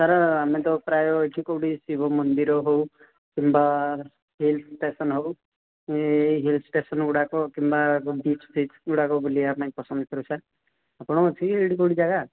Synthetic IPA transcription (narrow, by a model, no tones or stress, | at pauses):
saɾaamet̪̬ɔpɾajɔeʈʰikowɽisibʱɔmɔnd̪iɾɔɦow | kimba | ɦilt̪ʰʈesɔnɦow | ɦilt̪ʰsʈesɔnɡuɽakɔkimbabit͡ʃt̪ʰiɡuɽakɔbulieapɽãĩpɔsɔnd̪ɔkʰɔɾusʰaɾ | apɔɽ̃ɔɔt͡ʃʰikieɽikowɽid͡ʒaɡa